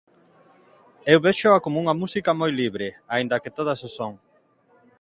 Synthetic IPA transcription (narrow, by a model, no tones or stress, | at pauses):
ewβeʃoakomuŋɐmusikɐmojliβɾeaind̪ɐket̪oðasosoŋ